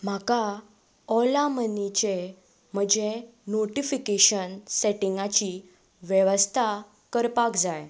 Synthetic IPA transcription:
m̤aka | ɔlamənit͡ɕe | m̤əd͡ʑenoʈifikeɕənseʈiŋɡat͡ɕi | ʋjəʋəst̪ʰa | kəɾpakd͡zaj

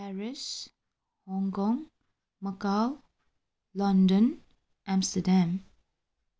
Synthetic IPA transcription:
pɛɹɪʃ | hɔ̃ŋkɔ̃ŋ | məkaw | lɔ̃ndə̃n | ʔãmstədãm

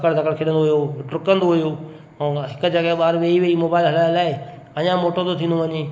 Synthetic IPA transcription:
kəɽd̪ʱɐkəɽkʰɪɗə̃nd̪oɦujoʈɾʊkə̃nd̪oɦʊjõ | ɦɪkʊ̆d͡ʑɐɠəɦɓaːɾʋeːiʋeimoːbaːɪlɦɐlaːɪlaːɪ | ɐɲãmoːʈot̪ot̪ʰĩːnd̪oʋɐɲeː

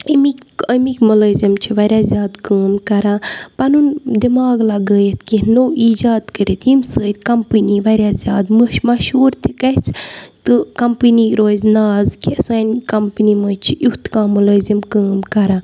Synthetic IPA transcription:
əmikʲəmikʲmɐləːzʲimt͡ʃʰiʋɐɾʲjaːzʲjaːd̪kəːmkɐɾãːpɐnund̪imaːɡlɐɡəːjet̪kinoːiːd͡ʒaːd̪kəɾit̪imsəːt̪ʲkɐmpɨniʋɐɾʲjaːzʲjaːd̪məʃmɐʃuːɾt̪ikɐt͡sʰt̪ɨkɐmpɨniɾoːzʲnaːzkʲiɐsaːnʲkɐmpɨniməːt͡ʃʰijuht̪kãːmɐləːzimkəːmkɐɾãː

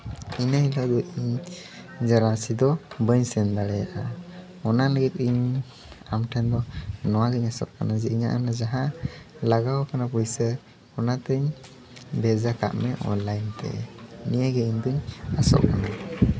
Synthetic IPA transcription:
inaɦilad̪ɔʔiɲ | d͡ʒaɾasid̪ɔbəɲsɛnd̪aɽɛjaʔa | ɔnaləɡit̪̚iɲ | amʈʰɛnd̪ɔnɔwaɡəɲasɔ̰ʔkanad͡ʒiʔiɲa̰ʔanad͡ʒaɦalaɡawakanapujsə | ɔnat̪əɲ | bɛd͡ʒaka̰ʔmɛʔɔ̰nlajnt̪ɛ̰nijaɡɛiɲd̪uɲasɔ̰ʔkana

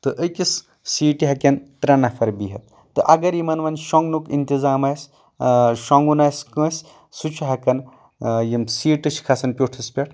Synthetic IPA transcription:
t̪ɨʔəjkis | siːʈiɦɐkʲɐnt̪ɾɐnɐfʰɐɾbiɦɐt̪̚ːɨʔɐɡɐɾjimɐnʋɐnʃɔŋɡnukint̪izaːmɐjs | ʃɔŋɡunajskə̃ːsʲ | sut͡ʃʰuɦɐkɐn | jimsiːʈɨʃʰkʰɐsɐnpʲoʈʰɨspʲɐʈʰ

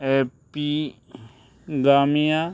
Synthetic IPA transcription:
epi | ɡaːmija

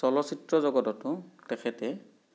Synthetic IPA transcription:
sɔlɔsitɹɔzɔɡɔtɔtʊtɛxʰɛtɛ

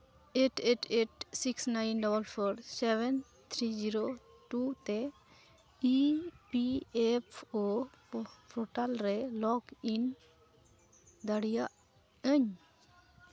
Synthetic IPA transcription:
eʈeʈeʈsiksnajnɖɔbəlpʰɔɾsɛbɛn | t̪ʰɾid͡ʒiɾo | ʈut̪ɛ | ipiepʰo | pʰɔʈalɾɛlɔkin | d̪aɽijaʔ | əɲ

